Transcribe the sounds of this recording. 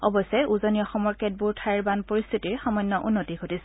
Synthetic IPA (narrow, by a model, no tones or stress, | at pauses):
ɔbɔsɛʔuzɔniɔxɔmɔɹkɛt̚buɹtʰaɹbanpoɹist̪ʰitiɹxɔmɔjnːɔʔunːotiɡʱotisɛ